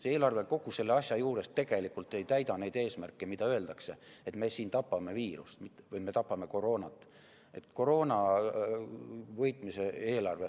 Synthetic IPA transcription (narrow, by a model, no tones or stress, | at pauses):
seeːlɑrve̞ko̞ɡ̥use̞lːeɑsʲjɑjuːɾe̞st̪e̞ɡ̥e̞likːˑult̪ːe̞jt̪æjd̪ɑne̞jd̪e̞ːsmærkːˑemid̪̥ɑøe̞ld̪̥ɑkse̞e̞t̪me̞siːnt̪ɑpːɑme̞viːɾṵst̪mit̪ːˑevɯjme̞t̪ɑpːɑme̞ko̞ɾo̞ːnɑt̪ːˑ | e̞t̪ko̞ɾo̞ːnɑ | vɤjt̪ˑmise̞e̞ːlɑrve